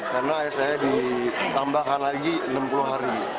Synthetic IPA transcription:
karnaːjaʔsajadit̪ambakanlaɡiənampuluɦaɾi

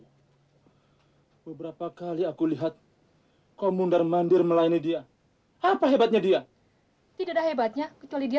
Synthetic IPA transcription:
bəbəɾapakaliakuliɦat̪̚ | komundarmandɪrməlainidia | apaɦebat̪̚ɲadia | t̪idadahɦebat̪̚ɲakət͡ʃualidia

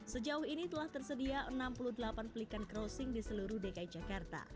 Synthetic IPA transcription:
səd͡ʒaʊɦinit̪əlaht̪ərsədiaʔənampuluhdəlapanpəlikanɡɾosɪŋdisəluɾuhdekaid͡ʒakart̪a̰

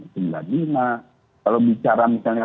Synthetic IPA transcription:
sinla̰ɡina | kalobit͡ʃaɾamisalɲa

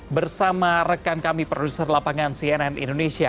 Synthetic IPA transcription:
bərsamarəkankamipɾodusərlapaŋansiɛnɛnḭndonesia

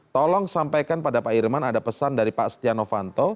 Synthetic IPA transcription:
t̪ɔlɔŋsampajkanpadapaʔirmanadapəsandaɾipaʔst̪ianofant̪ɔ

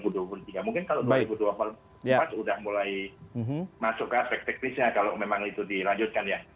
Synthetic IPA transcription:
buduapulut̪iɡamuŋkɪnkaloʔduaibuduwapal | apat̪udahmulaj̩ | masʊkːaspɛk̚t̪ɛk̚nɪsɲakalomemaŋit̪udilaɲd͡ʒʊt̪̚kanja

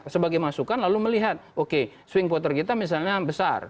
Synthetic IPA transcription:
səbaɡajmasukanlaluməliɦat̪̚oke | swɪŋp̬ɔt̪ərkit̪amis̬alɲabəsa̰r

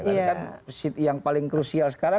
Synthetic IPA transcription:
kansit̪jaŋpalɪŋkɾusialsə̥kaɾa

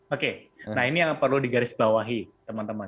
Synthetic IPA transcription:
okenaɦiniapərludiɡaɾɪsbawaɦit̪əmant̪əma

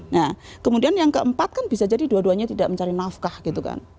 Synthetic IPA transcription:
nahkəmudianjaŋkəəmpat̪̚kanb̥isad͡ʒadiduaduaɲat̪idaʔməɲt͡ʃaɾinafkahɡ̥it̪uka̰n

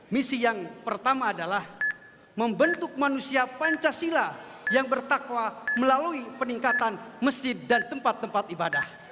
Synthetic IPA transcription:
misijaŋpərt̪amaːdalah | məmbənt̪ʊk̚manusiapaɲt͡ʃasila | jaŋbərt̪akwaməlaluipəniŋkat̪anməsɪdant̪əmpat̪ːəmpat̪ibada̰h

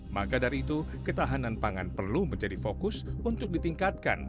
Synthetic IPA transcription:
ma̰kadaɾiːt̪u | kət̪aɦananpaŋa̰npərluməɲd͡ʒadifokʊsunt̪ʊk̚dit̪iŋkat̪̚ka̰n

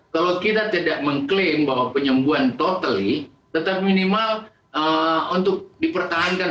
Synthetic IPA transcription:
kalowkit̪at̪idaʔ̚məŋklɪmbaɦwapəɲəmbuant̪ot̪əli | t̪ət̪ap̚minimal | əunt̪ʊk̚dipərt̪aɦanka

